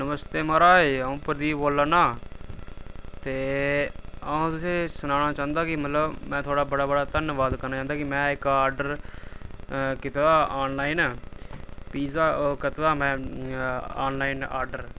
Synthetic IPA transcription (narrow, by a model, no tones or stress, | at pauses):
nəməst̪eːmaɾaːeːaũːpəɾd̪iːboːlːaːnaː | t̪eː | əõːt̪ʊsẽːsʊnaːɽ̃aːt͡ʃãːnd̪aːkɪmət̪ləbmɛ̃ːt̪ʰoːɽaːbəɽaːbəɽaːt̪ənʋaːd̪kəɾnaːt͡ʃãːnd̪aːkɪmɛ̃ːɪkaːɾɖəɾ | kɪt̪edaːaːnlaːiːnː | piːsaːkət̪d̪aːmɛ̃ː | aːnlaːiːna̰ːɾɖəɾ